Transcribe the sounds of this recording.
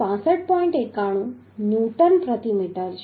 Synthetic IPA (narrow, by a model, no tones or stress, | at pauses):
ãːsəʈ̚ʰpɔːɪ̃ɳʈekaːɽ̃ũ | njuːʈənpɾət̪imiːʈəɾd͡ʑ